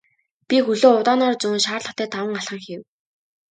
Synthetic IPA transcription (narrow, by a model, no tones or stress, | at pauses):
pʲixɵɮoːʊt̪aːnɔːrt͡suːnʃaːrɮə̆χʰt̪ʰæːt̪ʰawə̆ŋaɬχə̆ŋxiw